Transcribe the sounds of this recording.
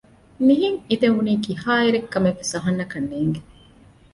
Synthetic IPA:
niɦiŋid̪euniːkihaːiɾekːɐmefisɐɦɐnːɐkɐnːeːŋɡe

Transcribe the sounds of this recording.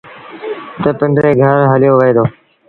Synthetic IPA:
t̪əpəɳɖɾeːɡʱəɾɦəlɪjoːʋəeːd̪oː

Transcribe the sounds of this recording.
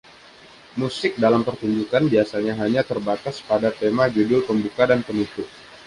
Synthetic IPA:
musɪk̚dalampərt̪uɲd͡ʒukanbiasaɲaɦaɲat̪ərbat̪aspadat̪emad͡ʒudʊlpəmbukadanpənut̪ʊk̚

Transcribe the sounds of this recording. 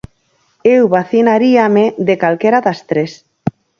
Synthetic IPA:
ewβaθinaɾiamed̪ekalkeɾaðast̪ɾes

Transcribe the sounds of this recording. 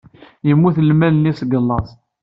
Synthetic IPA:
jəmːuθəlmælənːisɡəlːɑsˤ

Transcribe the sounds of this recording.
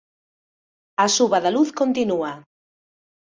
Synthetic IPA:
asuβɐðaluθkont̪inua

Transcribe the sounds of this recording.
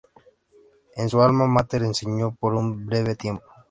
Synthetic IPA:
ensualmamat̪eɾenseɲopoɾumbɾeβet̪je̞mpo

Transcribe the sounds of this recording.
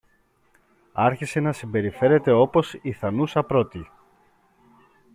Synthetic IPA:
ɐɾçise̞nɐsimbe̞ɾife̞ɾe̞t̪e̞o̞posiθɐnusɐpɾo̞t̪i

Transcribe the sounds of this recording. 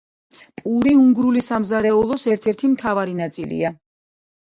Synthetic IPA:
pʼuɾiuŋɡɾulisamzaɾɛulˠɔsɛɾt̪ʰɛɾt̪ʰimt̪ʰavaɾinat̪sʼilḭa

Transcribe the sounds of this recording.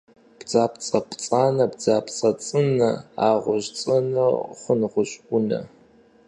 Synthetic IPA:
b̥d͡zaːpt͡sʼɐpʰʼt͡sʼaːnɐbd͡zaːpʰʼt͡sʼɐt͡sʼɨnɐaːʁʷʊʑt͡sʼɐnɐχʷʊnʁʷʊɕʼʷʊnɐ̰

